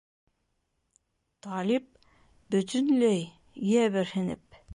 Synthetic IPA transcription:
t̪ʰɑlip̚ | bɵ̆t̪ɵnlæj | jæβɘɾhɘ̆nɘ̰p̚

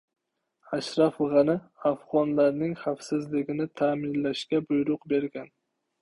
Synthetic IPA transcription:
aʃɾafʁɑnɪafʁɒnlaɾnɪŋχafsɪzlɪɡʲɪnɪt̪ʰaːmɪnlaʃkʲabʊjɾʊqbeɾɡʲan

